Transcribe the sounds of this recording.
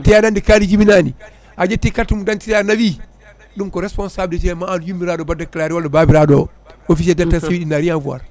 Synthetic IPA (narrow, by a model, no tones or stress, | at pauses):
tijadandikalid͡ʒibinani | ʔad͡ʒetːikaɾtimudantiɾjaɾnawi | ɗumkɔɾɛspɔnsaːblitɛmaanjumːiɾadɔbadakalaɾiwaldɔbabiɾado | ofisiɛdatːasewiɗinaɾijanvuwa̰ɾ